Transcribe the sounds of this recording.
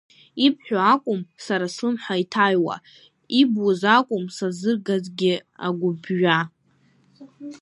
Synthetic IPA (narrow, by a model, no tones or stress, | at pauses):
ipʰħʷᶣoakʷʼʊmsaɾaslɨmħʷaitʰajwa̰ | ibwozakʷʼʊmsazɨrɡazɡʲɪa̰ɡʷʊbɥa